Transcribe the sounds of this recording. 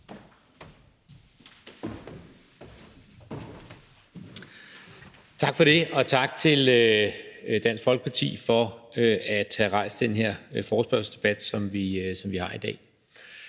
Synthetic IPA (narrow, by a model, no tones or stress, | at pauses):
t͡sʰɑ̈ɡ̥fɒ̽ɾ̥e̝ɒ̽t͡sʰɑ̈ɡ̥̚t͡sʰe̝lø | d̥æn̰sɡ̥fɒ̽lɡ̥ə̥pʰɑ̈t͡sʰḭːfɒ̽øæd̥hæʁɑ̈ɪ̰sd̥d̥enɦeɐ̰fɒːsb̥ɶɐsə̥sd̥e̝b̥æd̥sɒ̽mʋisɒ̽mʋihɑ̈id̥ɛ̰ː